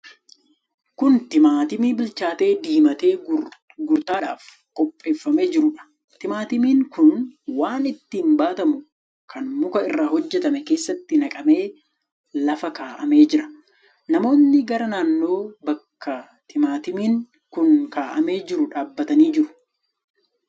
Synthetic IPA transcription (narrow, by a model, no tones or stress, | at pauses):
kʊnt̪ɪmaːt̪ɪmiːbɪlt͡ʃaːt̪e̞ːd̪iːmɐt̪e̞ː | ɡʊɾt̪aːᶑa̰ːf | kʼɔpʼːe̞ːfːɐme̞ːd͡ʒɪɾʊᶑɐ̥ | t̪ɪmaːt̪ɪmiːŋkʊnwaːnɪt̪ːiːnbaːt̪ɐmʊ | kʰɐnmʊkɐɪrːaːɦɔd͡ʒːɛt̪ɐmɛke̞ːsːɐt̪ːɪnɐkʼɐme̞ː | lɐfɐkaːʔɐme̞ːd͡ʒɪɾɐ̥ | nɐmo̞ːnːɪɡɐɾɐnaːnːo̞ːbɐkːɐ | t̪ʰɪmaːt̪ɪmiːŋ | kʊnkaːʔɐme̞ːd͡ʒɪɾʊᶑaːbːɐt̪ɐniːd͡ʒɪɾʊ̥